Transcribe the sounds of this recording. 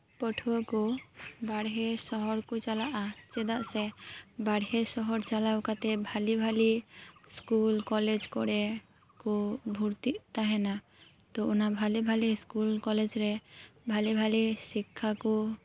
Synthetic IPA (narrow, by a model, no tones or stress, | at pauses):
pɔʈʰuakubaɽɦesɔɦɔɾkut͡ʃalaʔat͡ʃɛd̪aʔsɛbaɽɦesɔɦɔɾt͡ʃalawkat̪ɛbʱalibʱaliskulkɔled͡ʒkɔɽɛ | kubʱuɾt̪it̪aɦɛna | t̪ɔunabʱalibʱaliskulkɔled͡ʒɾɛbʱalibʱalisikʰːaku